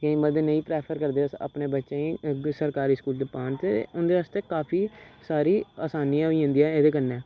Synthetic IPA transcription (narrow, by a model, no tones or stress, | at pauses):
kẽĩməd̪eːnəĩːpɾɛːpʰəɾkəɾd̪eːa̰pneːbətːʃẽːĩːsəɾkaːɾiːskuːld͡ʒ̪epaːɳt̪eːʊnd̪eːʋaːst̪eːkaːpʰiːsaːɾiːaːsaːniːãɦoiːɦʊ̃nd̪iːɛːeːd̪eːkənːɛː